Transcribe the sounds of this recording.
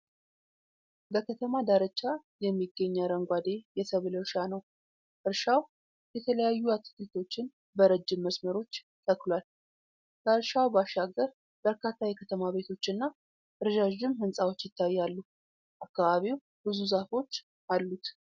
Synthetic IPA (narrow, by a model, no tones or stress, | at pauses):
bəkʰət̪ʰəmad̪aɾət͡ʃʼːajɛmːiɡːəɲːaɾəŋɡʷad̪e̞jɛsəβləɾʃanəw | ʔɨɾʃaw | jɛt̪ʰələjajːuat̪ʰi̥kɨlt̪ʰo̞t͡ʃːɪn | bəɾəd͡ʒːɪmːəsməɾo̞t͡ʃː | t̪ʼʰːəklwal | bəɨɾʃawbaʃaɡːəɾ | bəɾkʰat̪ːajɛkʰət̪ʰəmaβe̞t̪ʰo̞t͡ʃːɨnːa | ʔɨɾɨʒaʒɪmhɨnsʼawo̞t͡ʃːjɪt̪ʰːajːalːu | ʔakːaβaβiw | bɨzuzafo̞t͡ʃː | ʔalːut̪